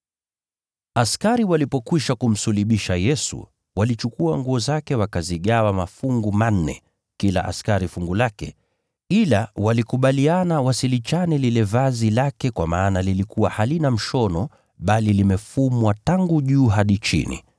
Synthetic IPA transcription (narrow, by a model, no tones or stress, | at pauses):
askaɾiwalipɔkwiʃakum̩suliɓiʃajɛsṵ | walit͡ʃukuaŋɡuɔzakɛwakaziɠawamafuŋɡuman̩ːɛ̰ | kila̰ʔa̰skaɾifuŋɡulakɛ | ilawalikuɓalianawasilit͡ʃanɛlilɛvazilakɛkwamaːnalilikuwahalinam̩ʃɔnɔ | ɓalilimɛfumwataŋɡuʄuːɦaɗit͡ʃḭnḭ